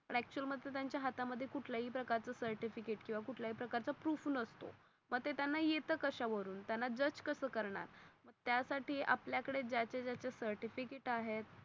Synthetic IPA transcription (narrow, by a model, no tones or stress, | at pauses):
pəɳ̃æk̚t͡ɕuəlməd̪ʱet̪jaɲt͡ɕjaɦat̪aməd̪ʱːjekuʈʰljaɦiːpɾəkaɾt͡səːsəɾʈifikeʈkĩw̃ʋakuʈʰljaɦiːpɾəkaɾt͡sapɾufuːnəst̪o̰ | məɡt̪et̪janːajet̪əkəɕaʋəɾuːnt̪janːad͡ʑət͡ɕkəsəːkəɾɳa̰ɾməɡ̚t̪jasaʈiːʔa̰pljakəɽed͡ʑat͡ɕed͡ʑjat͡ɕesəɾʈifikeʈaɦet̪̚